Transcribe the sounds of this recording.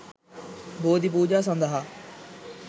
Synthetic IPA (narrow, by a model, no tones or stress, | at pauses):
boːd̪ipuːd͡ʒaːs̬ə̃nd̪aɦaː